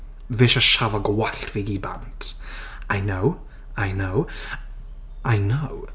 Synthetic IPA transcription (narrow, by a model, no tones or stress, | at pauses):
vɪːʃaʃavaɡwaɬtviɡiba̰ntʰ | ajnow | ajnow | ajno